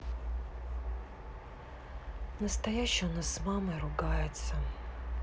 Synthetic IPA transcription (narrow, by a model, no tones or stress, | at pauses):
nəst̪ɐjæɕːɪjnasmamɨɾʊɡajɪt̪sə